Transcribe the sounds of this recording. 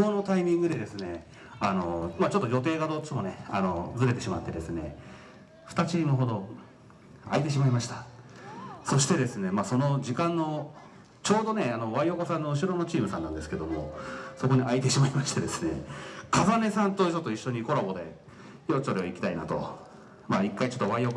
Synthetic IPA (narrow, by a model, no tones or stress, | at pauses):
ɡono̞t̪aimʲĩŋɡɯ̟d̪e̞d̪e̞sɨne̞ | ano̞̰mat͡ɕo̞t̪ːojo̞t̪̬e̞ːɡad̪o̞t͡ɕimo̞neano̞d͡zɨɾe̞t̪e̞ɕima̰t̪ːe̞d̪e̞sɨne̞̰ | ɸɯ̟̥t̪at͡ɕiːmɯ̟ɦo̞d̪o̞ | ait̪e̞ɕ̬imaimaɕi̥t̪ḁ | so̞ɕi̥t̪e̞d̪e̞sɨne̞maːso̞nod͡ʑikãnːo̞ | t͡ɕo̞ːd̪o̞ne̞ano̞βaioko̞sãnːo̞ɯ̟ɕ̬iɾo̞no̞t͡ɕiːmɯ̟sãnãnd̪esɨ̥ke̞d̪o̞mo̞so̞ko̞ɲ̟iait̪e̞ɕimaimaɕi̥t̪e̞d̪e̞sɨne̞̰kazane̞sãnt̪oisot̪ːoiɕːo̞ɲ̟iko̞ɾabo̞d̪e̞̰ | joːsoɾe̞oikʲi̥t̪aina̰t̪o̞̰ | maikːait͡ɕo̞t̪ːβaiok